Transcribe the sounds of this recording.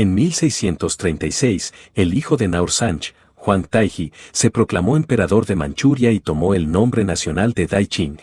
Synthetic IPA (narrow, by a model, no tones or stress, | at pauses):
e̞nmilse̞jsje̞nt̪o̞st̪ɾejnt̪ajsejse̞lixo̞ðe̞nawɾsant͡ʃ | xwant̪ajxise̞pɾo̞klamo̞empe̞ɾaðo̞ɾðe̞mã̰nt͡ʃuɾjait̪o̞mo̞e̞lnõ̞mbɾe̞nasjo̞nald̪e̞ðajt͡ʃin